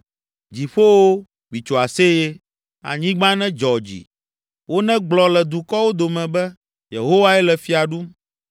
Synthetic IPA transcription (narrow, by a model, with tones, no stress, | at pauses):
d͡ʑi˨ɸo˦wo˦ | mĩ˨t͡ʃo˨a˨se˦je˦ | a̰˨ɲĩ˦ɡ͡bã˦nɛ̃˦d͡ʒɔ˨d͡ʑḭ˨ | wo˦nɛ̃˦ɡ͡blɔ˨lɛ˨d̪u˨kɔ˦wo˦d̪o˨mɛ̃˨bɛ˦ | jḛ˨ɦo˦wa˦ɛ˦lɛ˨fi˨a˨ɖu˦m